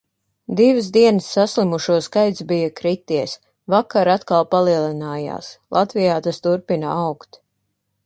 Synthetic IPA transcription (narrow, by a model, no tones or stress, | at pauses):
d̪ivɨsd̪iɛnəsːaslimuʃuɔskajt̪sbijakɾit̪iɛs | vakaɾat̪kalˠpalˠiɛlˠinaːja̰ːslˠʔat̪vijaːt̪ast̪uɾpinaawkt̪